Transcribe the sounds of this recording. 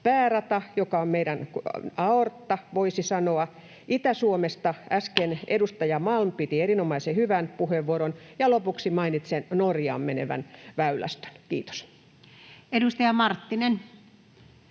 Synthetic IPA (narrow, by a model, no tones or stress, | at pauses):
pæːrɑt̪ɑjokɑommeiɾænkɑort̪ːɑʋoisisɑnoɑ | ʔit̪æsuomest̪ɑæskenḛdust̪ɑjɑmɑlmpit̪ierinomɑisehyʋænpuheʋːuoɾonjɑlopuksimɑinit̪sennorjɑ̰ːmmenḛʋæ̰nʋæylæ̰st̪ø̥nkiːt̪o̥s | edust̪ɑjɑmɑrt̪ːinen